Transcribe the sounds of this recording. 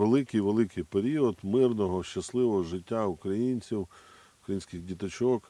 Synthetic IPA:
elˠɪkɪjʋelˠɪkɪjpeɾʲiɔd̪mɪrnɔɦɔʃt͡ʃɐslˠɪʋɔɦɔʒɪtʲːaukɾɐjinʲt͡sʲiw | ʊkɾɐjinsʲkɪɣdʲit̪ɐt͡ʃɔk

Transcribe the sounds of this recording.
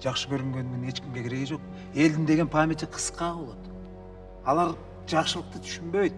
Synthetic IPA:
d͡ʒ̥ɑqʃəbøɾymɡʲe̞nːɪŋe̞t͡ʃkʲimɡʲe̞kʰʲeɾe̞ɡed͡ʒo̞q̚ | e̞ld̪ɪnd̪e̞ɡʲenpʰamʲet̪iqʰə̥sqɑo̞lˠo̞t̪ | ɑlˠɑɾ | d͡ʒɑqʃəlˠəq̚t̪ət̪ʰy̥ʃynbø̞jt̪

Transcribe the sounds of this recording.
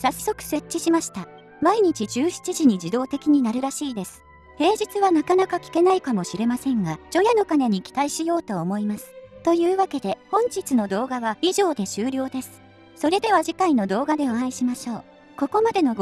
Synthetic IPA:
sasːo̞kɯ̟̥se̞t͡ɕt͡ɕːiɕimaɕi̥t̪a | maiɲ̟it͡ɕid͡ʑɨːɕi̥t͡ɕiʑiɲ̟id͡ʑid̪o̞ːt̪e̞kʲiɲ̟inaɾɯ̟ɾaɕiːd̪e̞sɨ̥ | he̞ːd͡ʑit͡sɨβanakanakakʲi̥ke̞naikamo̞ɕiɾe̞masẽ̞ŋɡad͡ʑo̞jano̞kane̞ɲ̟ikʲi̥t̪aiɕijo̞ːt̪o̞ːmo̞imasɨ̥t̪o̞jɯ̟ːβake̞d̪e̞hõ̞ɲ̟d͡ʑit͡sɨno̞d̪o̞ːɡaβaiʑo̞ːd̪e̞ɕɨːɾʲo̞ːd̪e̞sɨ̥ | so̞ɾe̞d̪e̞β̞aʑikaino̞d̪o̞ːɡad̪e̞oãĩɕimaɕo̞ː | ko̞ko̞mad̪e̞no̞

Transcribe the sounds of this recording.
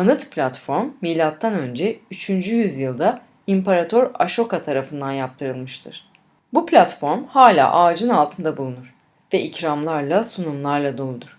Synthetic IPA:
anɯt̪pʰlʲat̪fo̞ɾmːiːlʲat̪ʰːanø̞nd͡ʒɛyt͡ʃʰynd͡ʒyjyzjɯlˠd̪a | impʰaɾat̪ʰøɾaʃo̞kat̪ʰaɾafɯnd̪anjap̚t̪ʰɯɾɯlˠmɯʃt̪ʰɯɾ̥ | buplʲat̪fo̞ɾmhaːlʲa̰ːʔaːd͡ʒɯnalˠt̪ʰɯnd̪abulˠunuɾ̥ | vɛʔicɾamlˠaɾlˠasunumlˠaɾlˠad̪o̞lˠud̪uɾ̥

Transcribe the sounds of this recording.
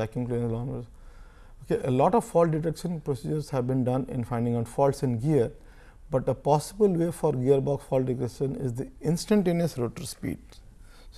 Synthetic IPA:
ækɪ̃ŋklẽlɔ̃ːnəz | okeʔəlɔːʈɔʋfɔːlʈɖɪʈekʃə̃npɾosiːd͡ʒəɾzhæʋbĩnɖʌ̃nɪ̰̃nfãɪ̃ɳɖɪ̃ŋaʊʈfɔːlsɪ̃nɡiəɾ | bɐʈ̪̚əpɔːsɪbəlʋeːfɔɾɡiəɾbɔːksfɔːlɖɪʈekʃə̃nɪzd̪iɪ̃nsʈə̃ɳʈẽːniəsɾoːʈəɾspḭːɖ̚ | s

